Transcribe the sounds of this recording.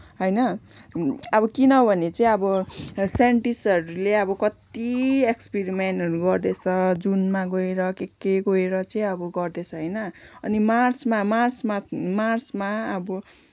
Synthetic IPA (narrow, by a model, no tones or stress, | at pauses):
ɦʌjnʌ | ʌbʌkinʌbʱʌnet͡sʌĩʌbʌseɳʈisʌɾuleʌbʌkʌt̪iekspiɾimeɳʈɦʌɾuɡʌrd̪et͡sʰʌd͡zunmaɡoeɾʌkekːeɡoeɾʌt͡sʌĩʌbʌɡʌrd̪et͡sʰʌɦʌjnʌʌnimarsmamarsmamarsmaʌbʌ